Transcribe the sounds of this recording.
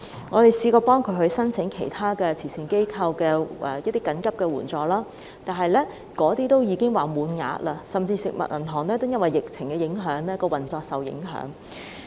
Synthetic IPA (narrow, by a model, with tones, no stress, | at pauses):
ŋɔː˨˧t̪e˨jsiː˨˧kɔː˧pɔː˥ŋkʰɵ˨˧ɥhɵ˧ɥsɐ˥nt͡sʰɪ˨˥ŋkʰe˨˩jt̪ʰaː˥kɛː˧t͡sʰiː˨˩si˨ŋke˥jkʰɐ˧wkɛː˧ʔɛ˧jɐ˥t̚t̪iː˥kɐ˨˥nkɐ˥p̚kɛː˧wuː˨˩nt͡sɔː˨laː˥ | t̪aː˨˩nɦɐ˨jlɛː˥ | kɔː˨˥t̪iː˥t̪o˥wjiː˨˧kɪ˥ŋwaː˨muː˨˧nŋa̰ː˨˧˥t̚laː˧sɐ˨mt͡siː˧sɪ˨k̚mɐ̰˨t̚ʔɐ̰˨˩nɦɔː˨˩ŋlɛː˥t̪o˥wjɐ˥nwɐ˨jːɪ˨k̚t͡sʰɪ˨˩ŋkɛː˧jɪ˨˥ŋɦœː˨˥ŋlɛː˥kɔː˧wɐ˨˩nt͡sɔː˧k̚sɐ˨wjɪ̰˨˥ŋɦœ̰ː˨˥ŋ